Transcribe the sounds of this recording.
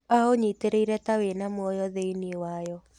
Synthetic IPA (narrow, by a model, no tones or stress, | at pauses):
aɦoɲiteɾeiɾɛtawenamwɔjɔðeiniewajɔ